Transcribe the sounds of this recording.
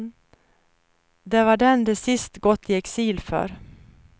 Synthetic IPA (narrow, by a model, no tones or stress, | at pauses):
d̪ɛvaɖɛnd̪ɛsɪst̪ɡɔt̪ʰːɪɛksiːlfœ̰ːɾ